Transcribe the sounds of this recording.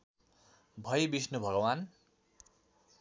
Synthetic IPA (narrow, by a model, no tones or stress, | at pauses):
bʱʌjebisnubʱʌɡʌwan